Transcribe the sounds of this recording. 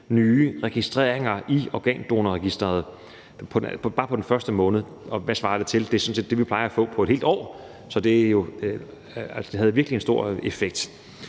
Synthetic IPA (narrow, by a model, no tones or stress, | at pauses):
nyːʁɛɡ̥isd̥ʁḛːɐ̰eŋɐʔiɒɡ̥ɛ̰ːnd̥o̝ːnəʁɛɡ̥isd̥ʁɐð̩ˠ | pʰb̥ɑ̈ːpʰɒ̽d̥enfɶɐsd̥əmɔ̽ːnð̩ˠ | ɒ̽ʋæsʋɑ̈ːd̥et͡sʰe̝ld̥e̝sɒ̽n̩se̝ːd̥e̝ʋipʰlɑ̈ɪɐæfɔ̰̽ːpʰɒ̽e̥he̝ːld̥ɒ̰ː | sɒ̽d̥e̝æjo̝ | æsd̥e̝ɦæð̞̩ˠʋiɐɡ̥liensd̥o̝ɐ̰efeɡ̥̚d̥